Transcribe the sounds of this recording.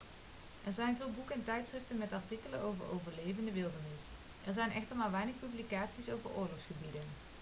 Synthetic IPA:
ʔɛɹzɛjnvɪːlˠbukɛntɛjtsrɪftənmɛtɑɹtikələnowvəɹo̰wvəɹlejvəndəʋɪlˠdəɹnɪs | ʔɛɹzɛjnɛχtəɹmaːɹʋɛjnəχpyblikaːtsisowvəɹʔʊ̰ːɹlɔxsχəbidən

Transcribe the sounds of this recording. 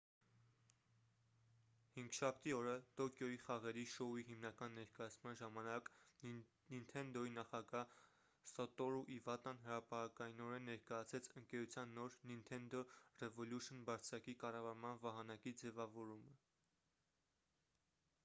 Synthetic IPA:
hiŋɡʃɑpʰt̪iɔɾət̪ɔkjɔiχɑʁɛɾiʃɔiɦimnɑkɑnːɛɾkɑjɑt͡sʰmɑnʒɑmɑnɑk | nint̪ʰɛnd̪ɔinɑχɑɡɑ | sɔt̪ɔɾuʔivɑt̪ɑnɦəɾɑpɑɾɑkɑjinɔɾɛnːɛɾkɑjɑt͡sʰɾɛt͡sʰəŋkɛɾut͡sʰjɑnːɔɾnint̪ʰɛnd̪ɔrɛvɔljuʃənbɑɾt͡sʰɾɑkikɑrɑvɑɾmɑnvɑɦɑnɑkid͡zɛvɑvɔɾumə

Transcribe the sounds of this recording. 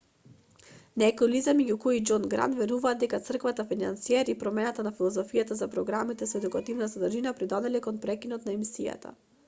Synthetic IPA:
nɛkojlizamɛɟukoid͡ʒonɡɾa̰nd̪vɛɾuvaːd̪ːɛkat̪sr̩kvat̪afina̰nsiɛɾipɾɔmɛnat̪anafilˠɔzɔfijat̪azapɾɔɡɾamit̪ɛsɔɛd̪ukat̪ivnazad̪r̩ʒinapɾid̪ɔd̪ɛlɛkonpɾɛkinɔt̪naɛmisija̰t̪a̰

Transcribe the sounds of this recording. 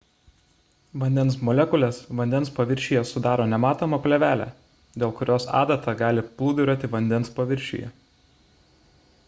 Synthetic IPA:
ʋɐnʲd̪ʲɛnsmɔlʲɛkʊlʲɛsʋɐnʲd̪ʲɛnspɐʋʲɪɾʲʃʲiːjɛsʊd̪ɑːɾoːnʲɛmɑːt̪oːmɐpʲlʲɛʋʲæːlʲæ̰ː | d̪ʲeːlˠkʊɾʲoːsɑ̰ːd̪ɐt̪ɑɡɑːlʲɪplˠuːd̪ʲʊɾʲoːt̪ʲɪʋɐnʲd̪ʲɛnspɐʋʲɪɾʲʃʲḭjɛ̰

